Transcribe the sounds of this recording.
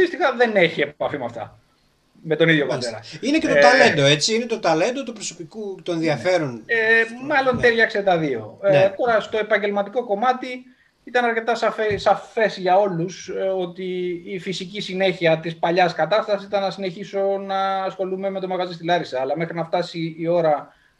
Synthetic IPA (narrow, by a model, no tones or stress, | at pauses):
ist̪ixɐðe̞ne̞çiepɐfimɐft̪ɐ̰ | me̞t̪o̞niðʝo̞pɐt̪eɾɐ̰inecet̪t̪ɐle̞nd̪o̞e̞t͡siinet̪o̞t̪ɐle̞nd̪ot̪upɾoso̞pikut̪oenðiɐfe̞ɾonmɐlo̞nt̪elçɐkse̞t̪ɐðio̞̰t̪o̞ɾɐst̪o̞e̞pɐɲɟe̞lmɐt̪iko̞ko̞mɐt̪i | it̪ɐnɐɾce̞t̪ɐsɐfesɐfe̞sʝɐo̞luso̞t̪iːfisicisine̞çiɐt̪ispɐʎɐskɐt̪ɐst̪ɐsisit̪ɐnːɐsine̞çiso̞nɐːsxo̞lume̞me̞t̪o̞mɐɣɐzist̪ilɐɾisɐːlɐme̞xɾinɐft̪ɐsiːo̞ɾɐ